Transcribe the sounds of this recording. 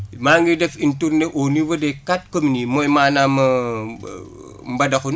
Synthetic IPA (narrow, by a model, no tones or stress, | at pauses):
maŋɡidefintuɾneʔoniwɐdekat̚kominimojmaːnamɐ | mbɐdɐkun